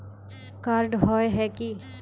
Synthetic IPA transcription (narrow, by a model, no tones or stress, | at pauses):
kaɾɖɦɔːeɦɛːki